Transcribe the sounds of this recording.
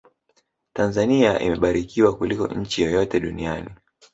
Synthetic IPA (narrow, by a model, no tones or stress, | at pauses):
tanzaniaʔḭmɛɓaɾikiwakulikɔ̰ɲ̩t͡ʃijɔjɔtɛɗuniani